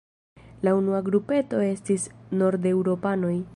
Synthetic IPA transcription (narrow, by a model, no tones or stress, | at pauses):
launuaɡɾupe̞to̞e̞stisno̞ɾde̞wɾo̞pano̞j